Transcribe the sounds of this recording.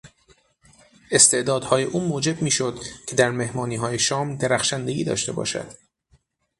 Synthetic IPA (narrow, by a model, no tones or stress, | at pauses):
ʔe̞st̪ʰe̞ʔd̪ɒːd̪̥hɒːje̞ʔuːmoːd͡ʒe̞b̚miːʃo̞d̪cʰe̞d̪æɾme̞hmɒːniːɦɒːje̞ʃɒːmd̪e̞ɾæxʃænd̪eɡḭːd̪ɒ̰ːʃt̪e̞bɒ̰ːʃæ̰d̪̥